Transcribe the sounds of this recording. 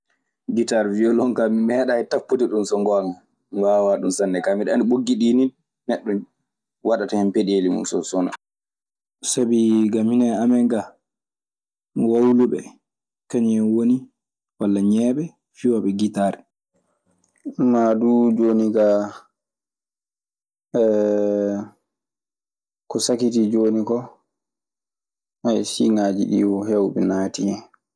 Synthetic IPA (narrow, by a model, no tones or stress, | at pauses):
ɡitaɾviɔlɔŋkamimɛɗaɛtapːutiɗunsɔŋɡɔl | mwaːwaɗumsanːɛkamiɗaniɓoɡːiɗinin | nɛɗːɔn | waɗatahɛmpeɗelimṵnsɔsɔna̰ | sabiɡaminaamɛŋɡa | wawluɓɛ̰ | kaɲɛnwoni | walːaɲɛːɓɛ | fiwaɓɛɡitaːɾɛ | madud͡ʒoniɡa | ɛ | kɔsakitid͡ʒonikɔ | ajsiŋaːd͡ʒiɗḭwɔhewbɛnaːtiɲɛ